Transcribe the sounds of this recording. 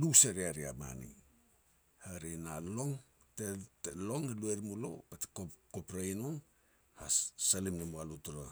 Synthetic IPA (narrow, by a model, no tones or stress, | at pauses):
luseɾiaɾia̰ma̰nḭ | haɾenalo̞ŋ | tetelo̞ŋelueɾmulo̞̰pate̥kokopɾajnoŋ | hassalimnamualutoɾa